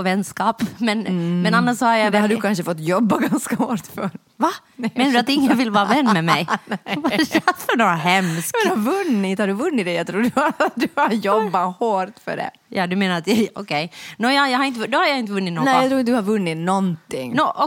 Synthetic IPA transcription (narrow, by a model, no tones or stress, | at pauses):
ɔvɛnːskɑːpmɛnmɛnanːaʂsɔhaɾjad̪ɛhaɖʉkʰanʂəfɔt̪ːjɔbːaɡanskahoːʈ̪fœ̰ | va | meːnadʉat̪ɪŋːənvɪlːvɑːɾavɛnːmɛmɛjvafœɳoːɾaɦɛmskɛd̪haɾvɵnːɪt̪haɾɖʉvɵnːɪt̪̚d̪ɛjat̪ʰɾuːɖd̪ʉhajɔbːahoːʈ̪fœ̰ɖɛ̰ | jɑːd̪ɵmeːnaɾat̪jɛjɔkʰɛjnoːjɑjahaɾɪnt̪əd̪ɔhaɾjaɪnt̪əvɵnːɪt̪nɔnɛjat̪ʰɾuːɪt̪əd̪ʉhaɾvɵnːɪt̪nɔnt̪ɪŋːnɔʔɔ